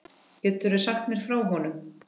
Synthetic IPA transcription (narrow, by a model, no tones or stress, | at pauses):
cɛːt̪ʏɾʏsaxt̪nɛɾ̥fɾaːwɦɔnʏm